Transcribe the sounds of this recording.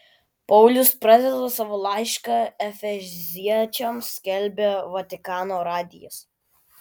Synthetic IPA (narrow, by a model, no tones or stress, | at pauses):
pɔʊlʲʊspɾɐd̪ʲɛd̪osɑʋolˠɑɪʃkɑɛfʲɛzʲiɛt͡ʃʲɛmsʲkʲɛlʲbʲeʋɐt̪ʲɪkɑːnoːɾɑːd̪ʲɪjɛ̰s